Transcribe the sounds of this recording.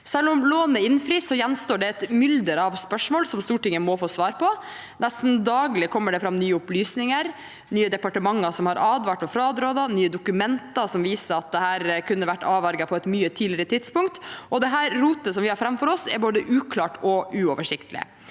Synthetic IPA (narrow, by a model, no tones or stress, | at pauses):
sɛlːʊmloːnəɪnfɾiːsːɔjɛnst̪oːɖɛɛt̪mʏld̪əɾɑʋspœʂmoːlsɔmst̪uːʈɪŋːəmɔfoːsʋɑːɾpʰɔ | nʔɛst̪n̩d̪ɑːɡlɪkʰɔmːəɖɛfɾɑmnyːəʊplyːsnɪŋəɾ | nyːəd̪ɛpɑʈəmɑŋːɑsɔmhɑɾʔɑːd̪ʋɑːʈɔfɾɑːd̪ɾoːd̪ɑnyːəd̪ʊkʉmɛnt̪ɑsɔmʋiːsəɾɑt̪̚d̪ɛhæːɾkʰʉnːəʋæʈːɑːʋɑɾɡɑpʰɔɛt̪myːət̪ʰiːd̪lɪɾət̪ʰɪd̪spʊŋkt̪ʔɔd̪ɛɦæːɾːuːt̪əsɔmʋɪhɑɾfɾɛmfɔɾɔsɛ̰ɾboːd̪əʔʉːkʰlɑːʈɔʉːɔːʋəʂɪkt̪əlɪ̰